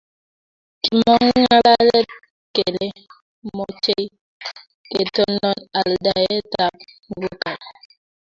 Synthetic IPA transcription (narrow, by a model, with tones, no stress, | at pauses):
ki˨mɔ˦ŋːa˦la˦lɛ˦t̚ | ke˨le˦ | mɔ˦t͡ʃe˦i˦ | ke˨tɔ˦nɔ˦na˨lda˨e˦ta˨p̚ | vu˦ka˨